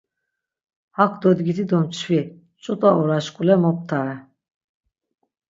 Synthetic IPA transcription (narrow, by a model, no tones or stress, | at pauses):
hakʰd̪ɔd̪ɡit̪ʰid̪ɔmt͡ʃʰvi | t͡ʃʼut̪ʼaɔɾaʃkʼulɛmɔp̚t̪ʰaɾɛ